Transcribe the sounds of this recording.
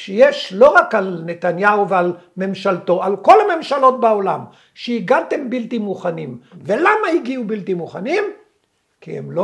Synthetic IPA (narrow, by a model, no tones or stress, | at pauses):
ʃejeʃlo̞ʁakalne̞t̪anjauvealme̞mʃalto̞alko̞lame̞mʃalo̞t̚bao̞lam | ʃeiɡat̪e̞mbilt̪imuχanimve̞lamaiɡiubilt̪imuχanim | kiḛmlo